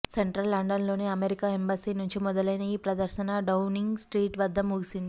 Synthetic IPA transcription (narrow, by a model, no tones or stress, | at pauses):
seɳʈɾɐlːɐɳɖɐnlo̞ːneɐmeɾikaːembaːsiːnuɲt͡ʃimɔd̪ɐlɐjnɐiːpɾɐd̪ɐɾʃɐnɐɖɐwniŋɡsʈɾiːʈʋɐd̪ʱːɐmuɡisind̪i